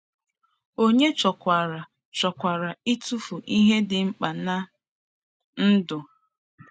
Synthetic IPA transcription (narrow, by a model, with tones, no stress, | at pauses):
o˦ɲe˦t͡ʃɔ˨kʷa˨ɾa˨ | t͡ʃɔ˨kʷa˨ɾa˨i˦tu˦fu˨ʔi˦ɦe˦dɪ˨ŋ͡m̩˦k͡pa˨na˦ | n̩˦dʊ˨